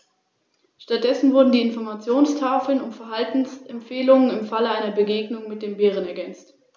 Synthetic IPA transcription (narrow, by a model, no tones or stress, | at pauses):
ʃtat̚d̥ɛsn̩vʊɐdn̩diːɪnfɔɐmat͡sjoːnstʰaːfl̩nʊmfɛɐɦaltn̩sʔɛmfeːlʊŋənɪmfaləaɪnɐbəɡeːɡnʊŋmɪt̚d̥eːmbeːʁ̞ənɛɐɡɛnt͡st